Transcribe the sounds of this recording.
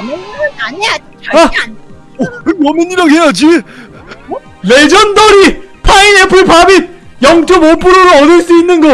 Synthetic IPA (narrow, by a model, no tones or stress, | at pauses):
a | ʌminiɾʌɡɦejad͡ʑi | led͡ʑʌndʌɾipʰainepʰɯɭpabijʌŋt͡ɕʰomopʰuɾoɾoʌdɯɭs͈uinːɯnɡʌ